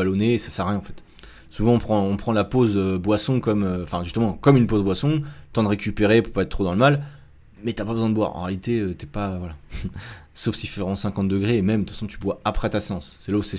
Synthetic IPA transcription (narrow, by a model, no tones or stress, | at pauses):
alonesḁsaʁjɛ̃ɑ̃fɛt̪ | suvɑ̃ɔ̃pχɑ̃ɔ̃pχɑ̃lapozøbwasɔ̃kɔmøɑ̃fɛ̃ʒyst̪əmɑ̃kɔmynpozbwasɔ̃t̪ɑ̃d̪əʁekʲypeʁepupaɛt̪t̪ːχod̪ɑ̃ləmal | mɛt̪yapabəzw̃ɛ̃d̪əbwa̰ʁɑ̰̃ʁealit̪eøt̪yɛpaøvwala | sofsifɛvʁɛmɑ̃sɛ̃kɑ̃t̪̚d̪əɡʁeːmɛmt̪fasɔ̃t̪ʰybwaapχɛt̪aseɑ̃sːɛlausɛ